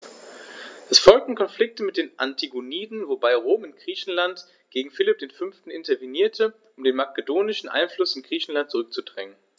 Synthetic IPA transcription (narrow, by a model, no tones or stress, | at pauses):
ʔɛsfɔlk̚tn̩kʰɔnflɪk̚təmɪt̚d̥eːnʔantʰiɡoniːdn̩vobaɪʁoːmɪnɡ̥ʁiːçn̩lant | ɡ̥eːɡŋ̩fɪlɪp̚d̥eːnfʏnftn̩ɪntɐviniːɐtʰəʔʊmdeːnmakədoːnɪʃn̩ʔa̰ɪnflʊsɪnɡ̥ʁ̥iːçn̩lant̚t͡sʊʁ̞ʏk̚t͡sudʁɛŋən